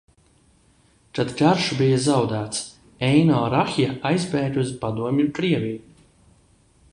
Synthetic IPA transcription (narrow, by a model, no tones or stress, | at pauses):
t̪ad̪ɡaɾʃubijazawd̪æːt̪s | ɛjnɔːɾaxʲjaajzbɛːɾʲuzpad̪uɔmʲjukɾiɛvʲiːj